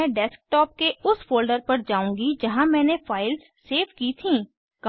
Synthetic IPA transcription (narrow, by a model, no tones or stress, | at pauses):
ɛ̃ɖɛːsk̚ʈɔːp̚keʊsfoːlɖəɾpɐɾd͡ʒaːũːŋɡid͡ʒɐɦãmɛ̃ːnefʰaːɪlzːeːfkiːt̪ʰĩː | kɐ